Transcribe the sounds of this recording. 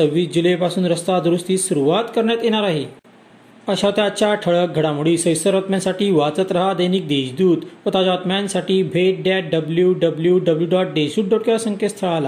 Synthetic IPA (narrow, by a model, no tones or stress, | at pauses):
t͡səʋːiːsd͡ʑilepasuːnɾəst̪ad̪ɾust̪iːsuɾuʋat̪kəɾɳjat̪jeɽ̃aɾaɦe | əɕat̪jat͡ɕaʈʰəɭək̚ɡʱəɽamuɽiːsəjsəɾɔt̪mjansaʈiːʋat͡sət̪ɾəɦad̪əjniːk̚d̪eɕd̪uːt̪ʋət̪ad͡ʑat̪mjansaʈiːbʱeʈ̚ɖaʈ̚ɖəbljuɖəbljuɖəbljuɖɔʈ̚ɖeɕuːʈ̚ɖɔʈ̚kasə̃ŋkʰest̪ʰəɭala